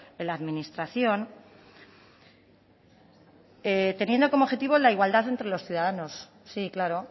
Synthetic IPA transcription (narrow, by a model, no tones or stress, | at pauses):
elaːðmĩnist̪ɾaθjo̞n | et̪e̞nje̞nd̪o̞ko̞moβxe̞t̪iβo̞elaiɣwald̪aθe̞nt̪ɾe̞lo̞sθjuð̞aðano̞sː | iklaɾo̞